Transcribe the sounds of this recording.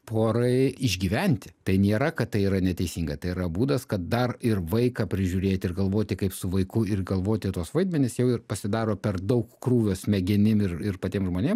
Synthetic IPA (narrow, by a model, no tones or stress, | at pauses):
pʰoːɾɐɪɪʒʲɡʲiːʋʲɛnʲt̪ʲɪ̥t̪ɐɪnʲeːɾɐkɐt̪tːɐɪiːɾɐnʲɛt̪ʲɛɪsʲiːŋɡɐt̪ɐɪiːɾɐbuːd̪ɐskɐt̪̚d̪ɐrɪrʋɐɪkɑpʲɾʲɪʒʲʊɾʲeːt̪ʲɪɪrɡɐlˠʋoːt̪ʲɪkɐɪpsʊʋɐɪkʊɪrɡɐlˠʋoːt̪ʲɪt̪uɔsʋɐɪd̪ʲmʲɛnʲɪsjɛʊɪrpɐsʲɪd̪ɑːɾoːpʲɛrd̪ɐʊkkruːʋʲoːsmʲɛɡʲɪnʲɪmɪrɪrpɐt̪ʲiɛmʒmoːnʲeːm